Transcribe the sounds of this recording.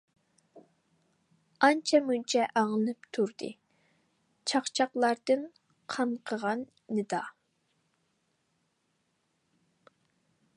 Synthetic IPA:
ɑnt͡ʃʰɛmunt͡ʃʰɛʔɑŋɨlˠɨpt̪ʰuɾd̪ɨ̰ | t͡ʃʰɑχt͡ʃʰɑqlˠɑɾd̪ɨn | qʰɑmqʰəʁɑnːɨd̪ɑ

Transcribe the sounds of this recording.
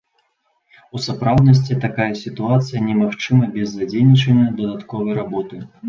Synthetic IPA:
usapɾawd̪nɐs̬ʲt͡sʲit̪akajɐsʲit̪uat̪sɨjɐnʲɛmaxt͡ʂɨmɐbʲɛzːad͡zʲejnʲit͡ʂɛnɐjɐd̪ɐd̪at̪kɔvɐjɾabɔt̪ɨ

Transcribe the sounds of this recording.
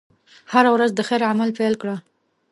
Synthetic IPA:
haɾawɾazd̪əxeɾamalpejlkɽa

